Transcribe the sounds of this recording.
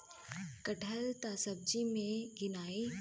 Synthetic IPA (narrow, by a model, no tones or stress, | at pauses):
kɐʈʰəlt̪aːsɐb̚d͡ʒimẽɡɪnaːe